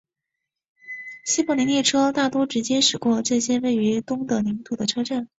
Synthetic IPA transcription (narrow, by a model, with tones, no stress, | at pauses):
ɕi˥pɑ˥˩ni˧˥ni˥˩ʈ͡ʂʰɤ˥t̪a˥˩t̪wɔ˥ʈ͡ʂɻ̩˧˥t͡ɕjɛ˥ʂɻ̩˨˩kwɔ˥˧ʈ͡ʂɤ˥˩ɕjɛ˥we˥˩ɪy˧˥t̪ʊ˥ŋd̪ə˨ni˧˥ŋt̪u˨˩d̪ə˦ʈ͡ʂʰɤ˥ʈ͡ʂa˥˩n